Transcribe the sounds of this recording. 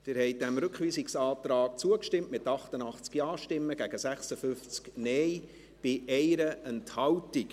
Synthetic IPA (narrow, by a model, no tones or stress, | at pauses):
d̥ɪɾhɛɪdɛmɾʏkʋiːsiksɑːt̪ɾɑːk̚t͡suəkʃtɪmtmɪtɑχtənɑχt͡skjɑːʃtɪmːəɡ̥æɡəsæχsəfʏft͡sknɛj | b̥ɪʔɛɪɾəʔɛnthɑwtik